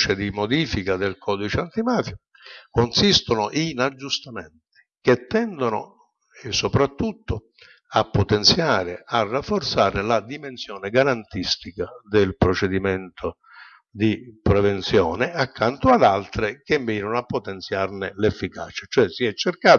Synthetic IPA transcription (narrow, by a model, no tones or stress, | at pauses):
t͡ʃɪd̪imod̪iːfikad̪ɪlkʰɔːd̪it͡ʃant̪imaːfjo | konsist̪ʊnʊʔinad͡ʒːust̪amɛnt̪ɪ̥k̟et̪ːɛnd̪onʊ̰ | esːopɾat̪ːut̪ːʊ | apːot̪ɛnt̪sjaːɾɪarːafːort̪saːɾɪlad̪imensjɔːnɪɡaɾant̪ist̪ikad̪ɪlpɾot͡ʃɛd̪imɛnt̪ʰo | d̪ipɾɛvent̪sjɔːnɪakʰːant̪ʊad̪alt̪ɾɪk̟emːiːnonoapːot̪ɛnt̪sjarnɪlefːika̰t͡ʃḁt͡ʃoɛsiɛt͡ʃːerkaː